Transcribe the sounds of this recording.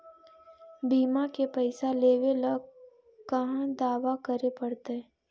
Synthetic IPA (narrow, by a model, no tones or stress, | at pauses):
biːmakepəɪsaleːʋeləɡ | kɐɦãd̪aːʋakəɾepəɽt̪e